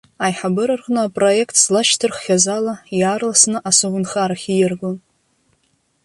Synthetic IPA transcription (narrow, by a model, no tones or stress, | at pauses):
ajħabɨɾɨrʁnɨapʼro̞jekʰtʰslaʃtʰɨrχːʲazalajarlasnɨʔasovɨnχaɾaχʲijɪrɡon